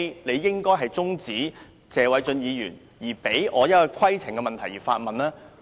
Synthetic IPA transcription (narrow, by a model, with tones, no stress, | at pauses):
ne˨˧jjɪ˥ŋkɔː˥jɦɐ˨jt͡sʊ˥ŋt͡siː˨˥ | t͡sɛː˨˧wɐ˨˥jt͡sɵ˧njiː˨˧jyː˨˩n | jiː˨˩pe˨˥jʔɔː˨˧jɐ˥t̚kɔ˧kʰɐ˥jt͡sʰɪ˨˩ŋkɛ˧mɐ˨nt̪ʰɐ˨˩jiː˨˩faː˧t̚mɐ˨nlɛː˥